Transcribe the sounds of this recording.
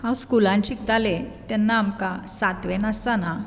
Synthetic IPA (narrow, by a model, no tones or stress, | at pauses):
hãwskulãɲt͡ɕik̚d͡z̪alet̪ɛnːaːmkasat̪ʋɛnast̪ana